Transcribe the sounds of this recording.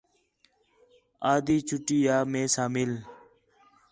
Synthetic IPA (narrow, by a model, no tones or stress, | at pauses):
aːd̪iːt͡ʃʰʊʈiːjaːmẽːsaːmɪl